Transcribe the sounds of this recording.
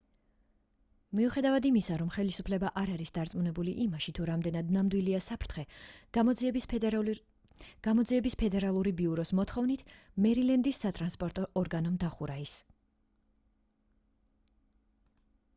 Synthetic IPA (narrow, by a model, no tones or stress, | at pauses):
miuχɛd̪avad̪imisaɾɔmχɛlisupʰlɛbaʔaɾaɾisd̪aɾt̪sʼmunɛbuliʔimaʃit̪ʰuɾamd̪ɛnad̪̚namd̪wiliasapʰɾt̪ʰχɛ | ɡ̥amɔd̪ziɛbispʰɛd̪ɛɾalˠuɾibiuɾɔsmɔt̪ʰχɔvnit̪ʰmɛɾilɛnd̪isːat̪ʼɾanspʼɔɾt̪ʼɔʔːɾɡanɔmd̪aχuɾais